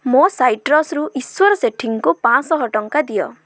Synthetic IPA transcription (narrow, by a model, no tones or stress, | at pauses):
mosajʈɾɔsɾuʔiswɔɾɔseʈʰiŋkupãsɔɦɔʈɔŋkad̪ijɔ